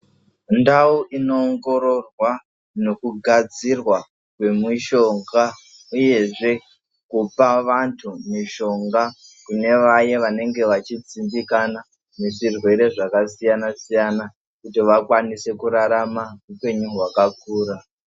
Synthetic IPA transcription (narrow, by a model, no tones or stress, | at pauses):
ndauʔinoːŋɡo̞ɾo̞rwa | no̞kuɡʱad͡zirwa | kwe̞miʃo̞ŋɡa | uje̞ʐe̞ | kupaʋantʰumiʃo̞ŋɡa | kune̞ʋajeʋane̞ŋɡe̞ʋat͡ʃit͡sindikana | neʐirwe̞ɾe̞ʐakasijanasijana | kutiʋakwanise̞kuɾaɾamaɦupe̞ɲuɦwakakuːɾa